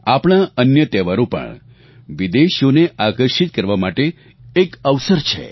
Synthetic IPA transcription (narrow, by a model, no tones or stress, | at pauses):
apɽ̃aənjət̪ɛʋaɾopə̰ɳ | ʋid̪eʃjoneʔakəɾʃit̪̚kəɾʋamaʈeː | kəʋsəɾt͡ʃʰḛ